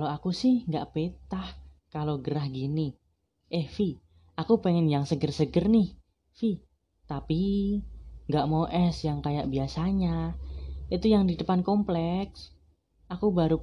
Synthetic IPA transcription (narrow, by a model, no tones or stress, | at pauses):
aloakusɪhŋɡa̰ʔpet̪ah | kaloɡəɾahɡini | ʔɛhfi | akupeŋɛnjaŋsəɡərsəɡərnɪh | fi | t̪api | ŋɡaʔmoʔɛsjaŋkajaʔ̚biasaɲa | ʔit̪ujaŋdidəpankɔmplɛks | ʔakubaɾu